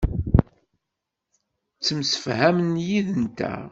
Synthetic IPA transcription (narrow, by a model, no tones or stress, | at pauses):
t͡sːəmsə̥fhæmənjiðənt̪æ̰